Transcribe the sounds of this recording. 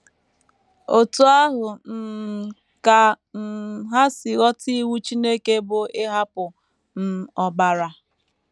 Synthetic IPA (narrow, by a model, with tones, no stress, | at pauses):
o˨tu˦a˦ɦʊ˨n̩˨ | ka˨ | n̩˨ɦa˦sɪ˨ɣɔ˦ti˦wu˦t͡ʃi˦ne˦ke˦bʊ˨ɪ˦ɦa˦pʊ˨ | n̩˨ɔ˨ba˨ɾa˨